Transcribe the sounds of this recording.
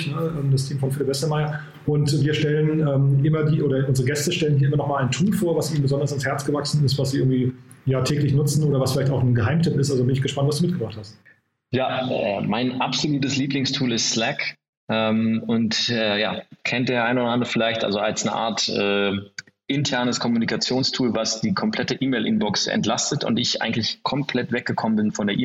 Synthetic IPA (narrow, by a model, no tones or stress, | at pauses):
nəʔɛːmdastʰiːmfɔnfɪlɪpvɛstəmaɪɐ | ʔʊntviːɐʃtɛlənʔɛːmʔɪmɐdiːʔoːɾɐʔʊnzəʁəɡɛstəʃtɛlənhiːɐɪmɐnɔχmaːlaɪntʰuːlfoːɐvasʔiːbmn̩bəzɔndɐsanshɛɐt͡sɡ̥əvaksn̩ɪstv̥asz̥iʔɪɐɡŋ̩tv̥iːjaːtʰɛːklɪçnʊt͡sn̩ʔoːɾɐvasfɪlaɪtaʊxnənɡəɦaɪmtʰɪpɪstʔalzobɪnɪçɡ̥əʃpantv̥asd̥uːmɪtɡ̥əbʁaχthast̚ | jaːɛ̰ːmaɪnʔapz̥oluːtəsliːplɪŋstʰuːlɪstslɛk | ʔɛːmʊntɛːja̰ːkʰɛntd̥eːɐʔaɪnoːdɐʔandəəfɪlaɪçtʔa̰lzoalsnəʔa̰ːɐtʔɛː | ʔɪntʰɛɐnəskʰɔmunikat͡sjoːnstʰuːlvasd̥iːkʰɔmpl̥ɛtəʔiːmeɪlʔɪnbɔksʔɛ̰ntl̥astətʊ̰ntɪçʔa̰ɪɡŋ̩tlɪçkʰɔmpʰl̥ɛtv̥ɛk̚ɡ̥əkʰɔmənbɪnfɔndeːɐʔiː